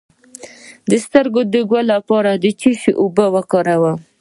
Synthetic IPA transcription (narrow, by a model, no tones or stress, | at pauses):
d̪əst̪əɾɡod̪əɡwalapɑɾad̪ət͡ʃiʃeʔobəwakɑɾawa